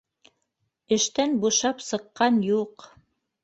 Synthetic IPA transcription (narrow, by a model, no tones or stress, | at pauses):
ɘ̆ʃt̪ænbuʃɑpsɤ̆qːɑnjuq